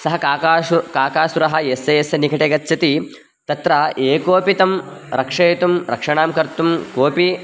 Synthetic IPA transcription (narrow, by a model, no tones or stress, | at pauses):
sɐɦɐkaːaːukaːkaːʃuɾɐɦɐjeseesɐnikʰɐʈeɡɐt̪ːt͡ʃɐt̪i | t̪ɐt̪ɾɐʔeːkoːpit̪ɐm | ɾɐkʂɐjt̪umɾɐ̰kʂɐɳaːmkɐɾt̪umkoːpi